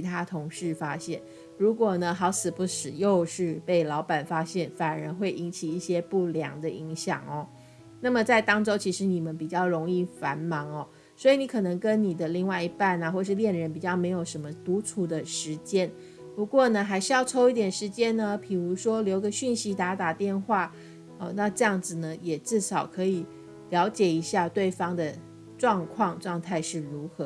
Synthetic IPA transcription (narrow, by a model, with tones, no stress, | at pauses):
i˧˥t̪ʰa˥t̪ʰʊ˧˥ŋʂɻ̩˥˩fa˥ɕjɛ˥˩n | ɻu˧˥kwɔ˨˩nə˦xɑ˧˥ʊt͡sʰɹ̩˨˩pu˥˩ʂ̩˨˩jo˥˧ʊʂɻ̩˥˧pe˥˩ɪlɑ˧˥ʊpa˨˩nfa˥ɕjɛ˥˩nfa˨˩nə˧˥nxwe˥˩ɪʔi˧˥nt͡ɕʰi˨˩i˥˩ɕjɛ˥pu˥˩ljɑ̰˧˥ŋd̪ə˧ʔi˧˥ŋɕjɑ̰˨˩ŋɐ˦ | na˥˩mə˨˩t͡sa˥˩ɪt̪ɑ˥ŋʈ͡ʂo˥ʊt͡ɕʰi˧˥ʂɻ̩˧˥ni˨˩mə˦npi˨˩t͡ɕjɑ˥˩ʊɻʊ˧˥ŋi˥˩fa˧˥nmɑ˧˥ŋɐ˧ | swɔ˧˥i˨˩ni˧˥kʰɤ˨˩nɤ˧˥ŋkə˥nni˨˩d̪ə˦li˥˧ŋwa˥˩ɪi˧˥pa˥˩nɐ˨˩xwɔ˥˩˧ʂɻ̩˥˧ljɛ˥˩nɻə˧˥npi˨˩t͡ɕjɑ˥˩ʊme˧˥ɪjo˨˩ʊʂə˧˥nmə˧t̪u˧˥ʈ͡ʂʰu˨˩d̪ə˧ʂɻ̩˧˥t͡ɕjɛ˥n | pu˧˥kwɔ˥˩nə˩xa˧˥ɪʂɻjɑ˥˩ʊʈ͡ʂʰo˥ʊi˥˩t̪jɛ˨˩nʂɻ̩˧˥t͡ɕjɛ˥nnə˧pʰi˨˩ɻu˧˥ʂwɔ˥ljo˧˥ʊɡə˧ɕy˥˩nɕi˧˥t̪a˧˥t̪a˨˩t̪jɛ˥˧nxwa˥˩ | ə˧na˥˧ʈ͡ʂɤ˥˧jɑ˥˩ŋd͡zɹ̩˨˩nə˩jɛ˨˩ʈ͡ʂɻ̩˥˩ʂɑ˨˩ʊkʰɤ˧˥i˨˩ | ljɑ˧˥ʊt͡ɕjɛ˨˩i˧˥ɕja˥˧t̪we˥˩ɪfɑ˥ŋd̪ə˨ | ʈ͡ʂwɑ˥˧ŋkʰwɑ˥˧ŋʈ͡ʂwɑ˥˧ŋt̪ʰa˥˧ɪʂɻ̩˥˩ɻu˧˥xɤ˧˦